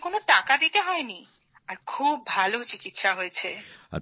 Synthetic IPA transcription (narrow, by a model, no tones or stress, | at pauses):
konoʈakad̪it̪eɦɔeni | aɾkʰubːʱalot͡ɕikit̪ʃaɦojet͡ɕʰea̰